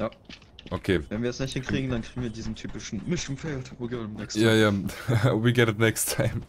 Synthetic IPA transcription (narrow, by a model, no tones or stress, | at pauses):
jaː | ʔokʰeːvɛnviɐɛsnɪçtɪnkʁ̥iːɡŋ̩dankʰʁ̥iːɡŋ̩viɐdiːzn̩tʰyːpɪʃn̩mɪʃmfɛltoɡɛmnɛksjaːjaːwiɡɛɾɪtnɛkstʰaɪm